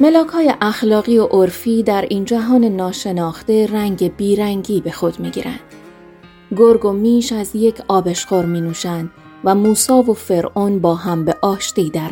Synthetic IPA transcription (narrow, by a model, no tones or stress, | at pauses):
me̞lɒːkʰhɒːje̞ʔæxlɒːɣiːoʔoɾfiːd̪æɾiːnd͡ʒæɦɒːne̞nɒːʃe̞nɒːxt̪e̞ɾæŋɟe̞biːɾæŋɡiːbe̞xo̞d̪̥miːɡḭːɾæ̰nd̪̥ | ɡoɾɡo̞miːʃæzje̞cʰɒːbe̞ʃqoɾmiːnuːʃænd̪̥ | væmuːsɒːvo̞fe̞ɾʔonbɒːɦæmbe̞ʔɒːʃt̪iːd̪æɾ